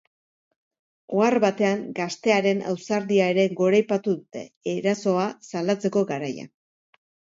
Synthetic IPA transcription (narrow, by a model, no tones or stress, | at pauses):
oarβat̪e̞aŋɡast̪e̞aɾe̞na̰wsaɾðiae̞ɾe̞ɡo̞ɾajpat̪uðut̪e̞̰ːɾaso̞asalat͡se̞ko̞ɡaɾaja̰